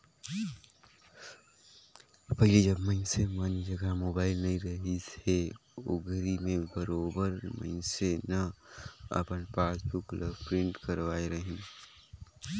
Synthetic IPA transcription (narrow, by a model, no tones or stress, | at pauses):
pəɦɪled͡ʒəbməɪnsemand͡ʒəɡamoːbaːɪlnɐĩɾəɦiseo̰ɡʱəɾimẽbəɾoːbəɾmə̰ɪnsenə | ə̰pənpaːsbʊkləbpɾɪ̃ɳʈkəɾʋaːeɾəɦĩ